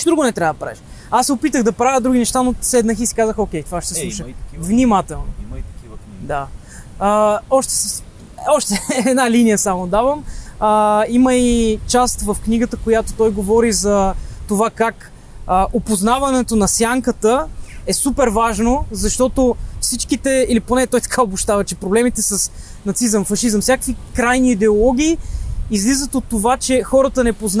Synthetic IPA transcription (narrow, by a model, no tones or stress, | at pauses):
d̪ɾuɡʊnɛt̪ɾʲavəd̪əpɾa̰vɛʃ | asːɛopit̪əɣd̪ɐpɾavʲəd̪ɾuɡ̟inɛʃt̪anosɛd̪nəxisi̥kazəxokʲɛjt̪ovaʃɛt̪ɛsˠuʃəvnimat̪ɛlˠno̰kid̪a | əɔʃt̪ɛ̥s | ɔʃt̪ɛɛd̪nalinijəsamod̪avəməiməit͡ʃast̪vɐfkniɡət̪əkojat̪ot̪ɔjɡovɔɾizɐt̪ovakak | əʔopoznavɐnɛt̪onɐsjaŋkət̪əɛsupɛɾvaʒnozɐʃt̪ɔt̪ofsit͡ʃkit̪ɛiliponɛt̪ɔjt̪ɐ̥kʰaobʊʃt̪avɐt͡ʃɛpɾoblɛmit̪ɛsəs | nɐt̪sizəmfɐʃizəmsʲjakə̥kvikɾajniːd̪ɛolˠɔɡ̟ʲiːizlizət̪ot̪ːovat͡ʃɛxɔɾət̪ənɛpozn